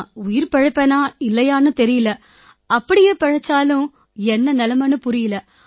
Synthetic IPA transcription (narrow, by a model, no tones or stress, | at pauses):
ʊjɪɾpɐɻɐpːɐnaːɪlːɐjaːnɯt̪ɛɾɪjɪlɐ | ɐpːɐɽɪjeːpɛɻɐt͡ʃːaːlʊ̃ | ɛnːɐnɛlɐmɐnɯpʊɾɪjɪlɐ